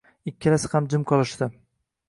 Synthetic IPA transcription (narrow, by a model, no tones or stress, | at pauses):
ɪkʲʰːɪlasɪ̥hamd͡ʒɪmkʰɒlˠɪʃt̪ɪ